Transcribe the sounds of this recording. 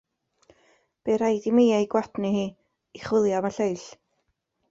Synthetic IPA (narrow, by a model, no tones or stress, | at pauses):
b̥eɾajdimiːajɡwadnihiː | iχwɪlˠjamaɬejɬ